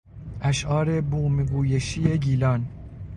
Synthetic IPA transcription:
ʔæʃʔɒːɾe̞buːmeɡuːjeʃije̞ɡiːlɒn

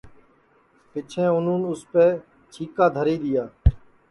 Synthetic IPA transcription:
pɪt͡ʃʰẽːʊn̤ũːnʊspeː | t͡ʃʰiːkaːd̪ʱəɾiːɗ̪ɪjaː

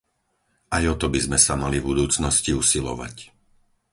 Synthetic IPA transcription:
ajɔt̪ɔbizmɛsamalivbud̪uːt͡snɔsciusilɔ̰ʋa̰c

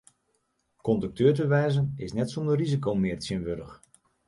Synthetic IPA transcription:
kɔndək̚tøːtəʋɛjzənɪsnɛtsɔndərrizikowmɪːrtsjənʋødəx

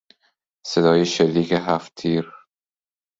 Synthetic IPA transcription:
sed̪ɒːjeʃelːiːkʰeɦæft̪ʰiːɾ

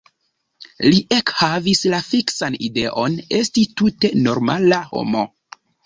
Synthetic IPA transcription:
liʔekhavislafiksanide̞ʔo̞ne̞stitute̞no̞ɾma̰laho̞̰mo

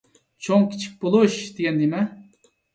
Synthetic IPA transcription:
t͡ʃʰoŋkʲʰi̥t͡ʃʰi̥k̚ʲbolˠuʃd̪eɡʲɛnd̪emɛ

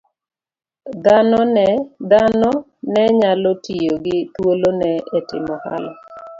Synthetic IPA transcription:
d̪anɔnɛd̪anɔ | nɛɲalɔtijoɡɪt̪wolonɛetɪ̰mɔha̰lɔ

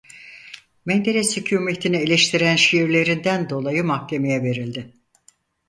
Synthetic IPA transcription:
mɛnd̪eɾɛsycʰuːme̞t̪ʰinielʲeʃt̪ʰiɾænʃijiɾlʲe̞ɾind̪ænd̪o̞lˠajɯmaxcʰe̞me̞jɛve̞ɾilʲd̪ɪ

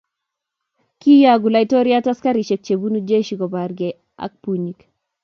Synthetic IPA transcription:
kijaɡulaitɔɾiataskaɾiʃɛk̚t͡ʃebunud͡ʒeʃiɡɔbaɾɡɛ | a̰k̚puɲik

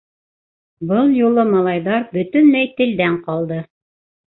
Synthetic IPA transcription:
bɤlˠjulˠɤmɑlˠɑjðɑɾbɵ̆t̪ɵnlæjt̪ɘ̆ld̪æɴqɑlˠd̪ɤ

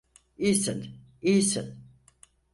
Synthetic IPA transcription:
ijsin | ijsin

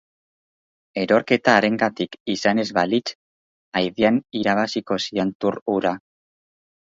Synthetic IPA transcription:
e̞ɾo̞ɾke̞t̪aːɾe̞ŋɡat̪ikisane̞zβalit͡ʃ | ajðianiɾaβ̞asiko̞sient̪uɾuɾa

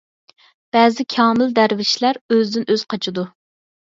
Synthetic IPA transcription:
b̥ɛːzɪkʲʰɑːmɪld̪æɾvɪʃlæɾøzd̪ɪnʔøz̥qʰɑt͡ʃʰid̪u

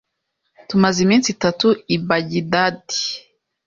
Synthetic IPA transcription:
tumazimiːnsitatuibaɟidadi̥

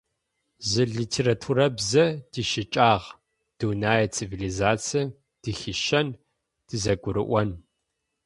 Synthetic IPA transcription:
zɨɮitʰeːɾatʰuːɾɐbzɐd̥iːʃɪt͡ʃʼaːʁ | d̥uwnaːjɐt͡sʰivilizaːt͡sʰiɐ | d̥ɨxiʃɐn | d̥ɨzɐɡʷʊɾɨ̰ʔʷɐn

